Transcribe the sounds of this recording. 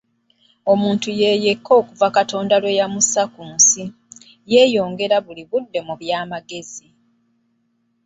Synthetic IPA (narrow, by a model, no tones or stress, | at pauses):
o̞muːntuje̞ːjekʰːo̞ːkuvakato̞ːndalwe̞jamusakuːnsi | je̞ːjo̞ːŋɡe̞ɾaβuliβudːe̞muβjaːmaɡe̞zi